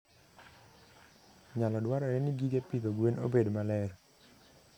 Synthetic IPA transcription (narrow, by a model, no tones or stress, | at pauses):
ɲalɔdwaɾɔɛnɪɡiɡepit̪oɡwenobedmalɛr